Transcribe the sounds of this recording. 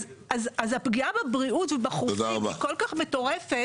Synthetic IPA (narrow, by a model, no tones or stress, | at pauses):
azazapɡiabebʁiutvebaχutod̪aʁabako̞lkaχmeto̞ʁe̞fe